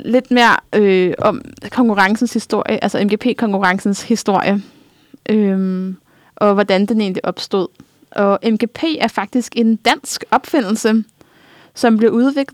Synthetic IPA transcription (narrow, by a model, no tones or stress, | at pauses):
le̝d̥me̝ːɐʔøɒ̽mkʰɒ̽ŋkʰuʁɑ̈ŋsn̩shisd̥o̝ɐ̰jəʔælsɒemɡ̥e̝ːpʰe̝̰ːkʰɒ̽ŋkʰuʁɑ̈ŋsn̩shisd̥o̝ɐ̰jə | ʔø | ʔɒ̽ʋɒd̥ænd̥ene̝̰ːnliʔɒ̽b̥sd̥oð̰ˠ | ʔɒ̽emɡ̥e̝pʰe̝̰ːæɐfɑ̈ɡ̥̚d̥isɡ̥e̝nd̥æn̰sɡ̥ɒ̽b̥fe̝n̰l̩sə | sɒ̽mb̥liɐuðˠʋe̝ɡ̥lˠ